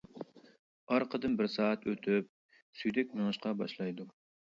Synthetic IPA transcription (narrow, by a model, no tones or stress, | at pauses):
ɑɾqʰəd̪ɨnbɪɾsɑːɑt̪ʰøt̪ʰyp̚ | syjd̪ɛkʲmeŋɨʃqɑbɑʃlˠɑjd̪u